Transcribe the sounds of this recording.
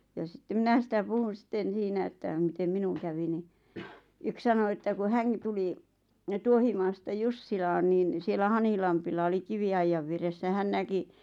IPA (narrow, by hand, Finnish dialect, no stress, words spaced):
jɑ sĭtːem minæ sĭtæ puhun̞ sĭtːen̞ siːnæ etːæ mitem minuŋ kæʋi ni yk sɑno etːæ ku hæŋki̥ tuli tuohimɑːstɑ jusːilɑːn niːn sielˑæ hɑnhilɑmpilːɑ oli kiʋiɑijːɑʋ ʋieresːæ hæn næki